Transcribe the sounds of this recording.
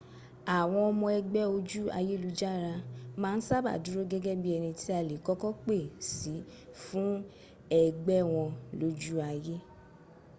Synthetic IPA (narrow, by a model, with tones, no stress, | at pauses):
a˨w̃ɔ̃˧ɔ˧mɔ̃˧ɛ˧ɡ͡bɛ˦o˧d͡ʒu˦a̰˧je˦lu˨˦d͡ʒa˦ɾa˧mãː˦n̩˦sa˦ba̰˦˨du˦ɾo˦ɡɛ˦ɡɛ˦bi˦ɛ˧nĩ˧ti˦a˦˨le˨kɔ˦kɔ˦k͡pe˦˨si˨˦fũ˦ | ɛ˨ɡ͡bɛ˦w̃ɔ̃˧lo˦d͡ʒu˦a˧je˦